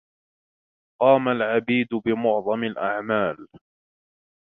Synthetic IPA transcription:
qɑːmalʕabiːd̪bɪmʊʕðˤɑmɪlʔaʕmaːl

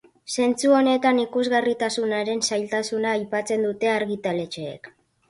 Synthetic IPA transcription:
se̞nt͡suo̞ne̞t̪anikuzɣarit̪asunaɾe̞nsajlt̪asunaːjpat͡se̞nd̪ut̪e̞aɾɣit̪ale̞t͡ʃe̞̰ːk

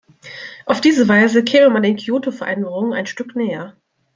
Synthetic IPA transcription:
ʔaʊfd̥iːzəvaɪzəkʰɛːməmandeːnkʰioːtofɛɐʔɛndəʁʊŋənaɪnʃtʏknɛːɐ

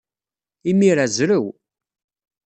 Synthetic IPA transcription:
imiɾazɾəw

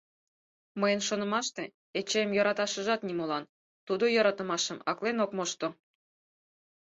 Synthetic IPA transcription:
məjənʃonə̆mɑʃt̪e | et͡ɕejmjoɾɑt̪ɑʃə̆ʒɑt̪nimolɑn | t̪ud̪ojɤɾɑt̪ə̆mɑʃə̆mɑklenokmoʃt̪o

